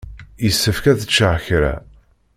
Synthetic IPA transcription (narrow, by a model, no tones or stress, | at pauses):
jəsːəfkæðət͡ʃːaʕçɾæ̰